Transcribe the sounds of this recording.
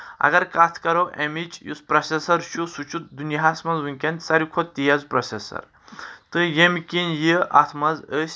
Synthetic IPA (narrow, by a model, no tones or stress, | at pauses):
ɐ̰ɡɐɾkat̪ʰkɐɾoʔemit͡ʃjṵspɾɐsʲesɐɾʃusut͡ʃut̪̚d̪unjɦasmɐzʋunʲkʲɐnʲt̪ʲsɐɾʲikʰot̪ijɐzpɾɐsʲesɐ̰ɾ | t̪ɨjemkʲinjiʔa̰t̪ʰmɐzəsʲ